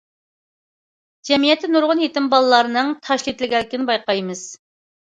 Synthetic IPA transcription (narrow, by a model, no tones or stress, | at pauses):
d͡ʒɛmijɛt̪ʰːɪnuɾʁʊnjet̪ɪmbɑlˠɨlːˠɑɾɨnɨŋt̪ʰɑʃlʲit̪lɪɡʲɛlːɪkʲɪnɪbɑjqɑjmɨz̥